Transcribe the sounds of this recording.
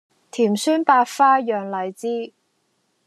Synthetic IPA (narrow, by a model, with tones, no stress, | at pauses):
t̪ʰiː˨˩msyː˥npaː˧tfaː˥jœː˨ŋlɐ˨˩jt͡siː˥